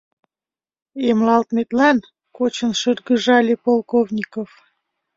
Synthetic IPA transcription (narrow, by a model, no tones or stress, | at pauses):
emlɑlt̪met̪lɑn | kot͡ɕənʃərɣəʒɑlʲepolˠkovnʲikof